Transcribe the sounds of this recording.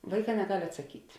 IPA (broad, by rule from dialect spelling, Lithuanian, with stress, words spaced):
ˈʋɐɪˌkɑː nʲɛˈɡɐlʲ ɐtsɐˈkʲiːtʲ